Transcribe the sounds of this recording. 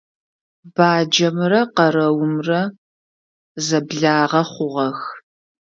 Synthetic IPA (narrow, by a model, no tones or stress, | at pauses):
b̥aːd͡ʒɐmrɐqɐɾɐwʊmrɐ | zɐbɮaːʁɐχʷʊʁɐx